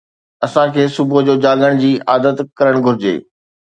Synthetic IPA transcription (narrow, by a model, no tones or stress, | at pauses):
ɐsãkʰeːsʊbod͡ʑoːd͡ʑaːɠəɽ̃d͡ʑiːaːd̪ət̪kɐɾəɽ̃ɡʱʊɾɪd͡ʑḛː